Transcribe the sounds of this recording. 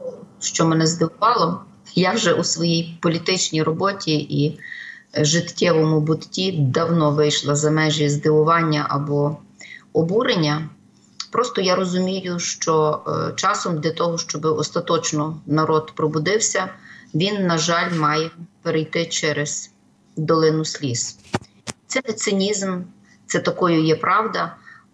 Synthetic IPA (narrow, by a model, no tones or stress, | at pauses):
ɔɔʃt͡ʃɔmɛnɛzd̪ɪʋʊʋɑlˠɔ | jawʒɛʔusʋɔjijpɔlʲit̪ɪt͡ʃnʲijɾɔbɔtʲii | ʒɪt̪kʲɛʋɔmʊbʊt̪tʲid̪ɐwnɔʋɪjʃlˠɐzɐmɛʒʲizd̪ɪʋʊʋɑnʲːɐʔɐ̰bɔ | ɔbuɾenʲːɐ | pɾʔɔst̪ɔjaɾɔzʊmʲijʊʃt͡ʃɔt͡ʃɑsɔmd̪ʲlʲɐt̪ɔɦɔʃt͡ʃɔbɪɔst̪ɐt̪ɔt͡ʃnɔnɐɾɔd̪pɾɔbʊd̪ɪwsʲɐʋʲinːɐʒɑlʲmɑjɛpeɾejt̪ɪt͡ʃɛɾez | d̪ɔlˠɪnʊsʲlʲis | t̪sɛnet̪sɪnʲizm | t̪sɛt̪ɐkɔjʊjɛpɾɑwd̪ɐ